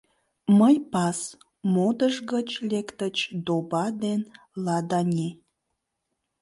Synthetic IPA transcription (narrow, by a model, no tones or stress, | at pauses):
məjpɑs | mod̪əʒɣət͡ɕlekt̪ət͡ɕd̪obɑd̪en | lɑd̪ɑnʲe